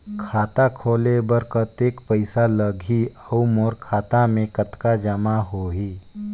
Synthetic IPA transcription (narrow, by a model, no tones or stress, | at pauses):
kʰaːt̪akʰoːlebəɾkət̪eːkpəɪsaləɡʱiəumɔːɾkʰaːt̪amẽkət̪kad͡ʒəmaɦoːɦiː